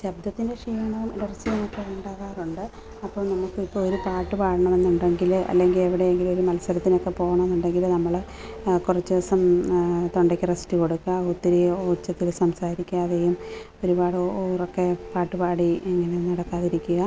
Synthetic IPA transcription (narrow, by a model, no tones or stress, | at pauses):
ɕɐb̚d̪ʱɐt̪ːinde̞ʂiːɐɳɐʋumiɽɐrsijɐmːɐkːɐuɳɖaːɣaːruɳɖɨ | ɐpːoːɭnɐmukːɨipːoɭoɾupaːʈːɨpaːɽɐɳɐme̞nːuɳɖeŋɡilɐ̰lːe̞ŋɡile̞ʋiɽe̞jeŋɡilo̞ɾumɐlɐsɐɾɐt̪ːino̞kːe̞po̞ːɣɐɳɐmenːuɳɖe̞ŋɡilnɐmːɐɭ | kurɐt͡ɕːɨsɐmt̪o̞ɳɖɐkʲːirɐstiko̞ɽukːɐot̪ːiɾijoːt͡ɕːɐt̪ːilsɐmsaːɾikʲːaðejum | o̞ɾubaːɽɨrokːe̞paːʈːɨpaːɽieŋːɐnenɐɽɐkːaːðiɾikʲːuɣa